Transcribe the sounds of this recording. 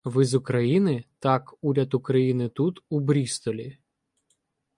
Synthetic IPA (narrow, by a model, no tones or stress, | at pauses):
ʋɪzʊkɾɐjinɪt̪ɑkuɾʲɐd̪ʊkɾɐjinɪt̪ut̪ubɾʲist̪ɔlʲi